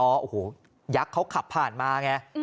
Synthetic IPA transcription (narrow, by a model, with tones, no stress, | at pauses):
ɔː˦˥ʔo˨hoː˨˩˦ | ja˦˥kʰːa˦˥wkʰa˨˩pʰːaː˨˩nmaː˧ŋɛ˧˥